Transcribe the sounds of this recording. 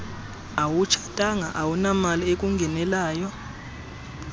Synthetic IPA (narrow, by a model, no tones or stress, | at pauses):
awut͡ʃʰḁtʼaŋa̰ʔawunamaliek̬ʼuŋɡʱɛnɛlaːjɔ